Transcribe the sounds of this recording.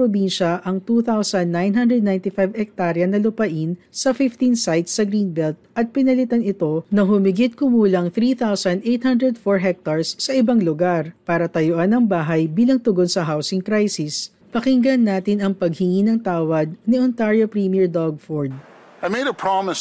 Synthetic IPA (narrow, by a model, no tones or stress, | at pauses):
pɾobinʃɐʔɐŋt̪uːθawsɐnd̪ːajnɦɐnd̪ɾɛd̪najnt̪ɪfajvhɛk̚t̪aɾjɐnɐlʊpɐʔinsɐfɪft̪insajt̪sːɐɡɾinbɛlt̪̚ʔɐt̪̚pɪnɐlɪt̪anɪt̪o̞nɐɦʊmɪɡɪt̪̚kʊmuːlɐŋθɾiːθawsɐnd̪ʔejt̪̚hɐnd̪ɾɛd̪foɹɦɛk̚t̪ɐɹsːɐʔɪbaŋlʊɡaɾpaːɾɐt̪ɐjʊʔanɐŋbaːɦɐjbiːlɐŋt̪ʊɡonsɐɦawsɪŋkɾajsɪs | pɐkɪŋɡɐnːaːt̪ɪnɐŋpɐɡ̚hɪŋinɐŋt̪aːwɐd̪̚niɔnt̪aɹjopɹimiɛɹd̪aɡ̚foɹd̪̚ | aɪmeɪɾəpʰɹ̥ɑməs